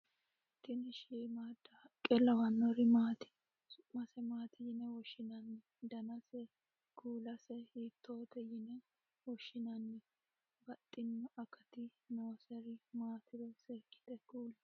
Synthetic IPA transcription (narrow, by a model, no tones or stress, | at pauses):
t̪ːɪnɪʃiːmaːd̪ɐ | kʼɛlɐwɐnːɔɾɪmaːt̪ɪ̥ | sʊmɐsɛmaːt̪ʰɪjɪnɛwɔʃɪnɐnːɪ | d̪ɐnɐsɛ | ɡuːlɐsɛhit̪ʰːoːt̪ɛjɪnɛ | wɔʃːɪnɐnːɪ | bɐt̪ʼːɪnːɔʔɐkɐt̪ɪnoːsɛɾɪmaːt̪ɪd̪ɛsɛɾkːɪ̥d̪ɛɡuːlɐ